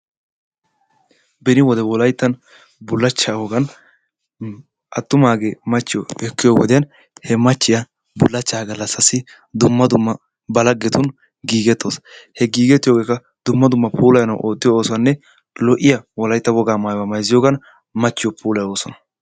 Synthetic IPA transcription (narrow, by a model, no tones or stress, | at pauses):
bɛnɪwɔd̪ɛwɔlɐjt̪ːɐn | bʊlːɐt͡ʃːaːwɔɡɐn | ʔɐt̪ːʊmaːɡeːmɐt͡ʃːɪjɔɛkːɪjoːwɔ̰d̪ɛjɐn | hɛmɐt͡ʃːɪjɐ | bʊlːɐt͡ʃːaːɡɐlːɐsːɐsɪ | d̪ʊmːɐd̪ʊmːɐ | bɐlɐɡːɛt̪ʊn | ɡiːɡɛt̪ːoːshɛɡiːɡɛt̪ːɪjoːɡeːkːɐ | d̪ʊmːɐd̪ʊmːɐpʰuːlɐjnɐwʔo̞ːt̪ːɪjooːsɔwɐnːɛ | lɔʔɪjɐwɔlɐjt̪ːɐwɔɡaːmaːjwɐmɐjzɪjoːɡɐn | mɐt͡ʃːɪjɔpʰuːlɐjo̞ːsɔnɐ̥